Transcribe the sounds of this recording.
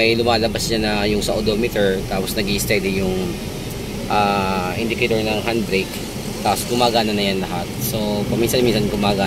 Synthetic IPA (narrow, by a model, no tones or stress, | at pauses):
ɐjlʊmaːlɐbasɲanɐjʊŋsɐʔod̪omɪt̪ɛɹt̪aːposnɐɡist̪ɛd̪ɪjʊŋ | ʔaːʔɪnd̪ɪkejt̪oɹnɐŋɦand̪̚bɾejk | t̪aːposɡʊmaːɡaːnɐnɐjanlɐɦat̪̚so̞pɐminsɐnminsɐnɡʊmaːɡaː